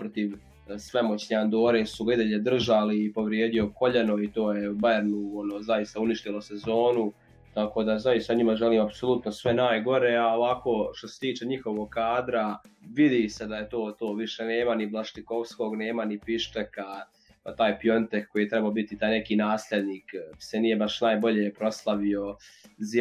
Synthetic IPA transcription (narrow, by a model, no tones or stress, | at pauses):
pɾot̪iʋ | sʋe̞mo̞t͡ɕneand̪o̞ːɾesuɡaid̪eʎed̪r̩ʒaliːpo̞ʋɾjeːd̪io̞ko̞ʎenoit̪o̞ːjeubaɾnuonoːzajist̪auniʃt̪ilo̞sezo̞ːnu | t̪ako̞ːd̪azajist̪aɲimaʒeliːmapso̞lˠut̪nosʋe̞naːjɡo̞ɾeːaoʋako̞ʃt̪o̞set̪iːt͡ʃeɲixo̞ʋoɡkaːd̪ɾaʋid̪ise̞d̪ajet̪o̞ːt̪o̞ːʋiʃe̞ne̞ːmaniblˠaʃt̪iko̞ʋsko̞ːɡne̞ːmanipiʃteka | t̪aːjpijo̞nt̪ekːo̞jit̪ɾɛbaobit̪it̪aːjne̞kiːnaːslʲe̞d̪niːksenijebaʃnaːjbo̞ʎeːpɾo̞slˠaʋio̞z